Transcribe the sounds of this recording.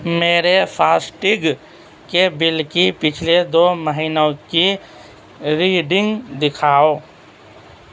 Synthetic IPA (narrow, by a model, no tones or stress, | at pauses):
meːɾepʰaːsʈɪɡ | kebɪlkipɪt͡ʃʰled̪oːməɦiːnõki | ɾiːɖɪ̃ŋɡd̪ɪkʰaːoː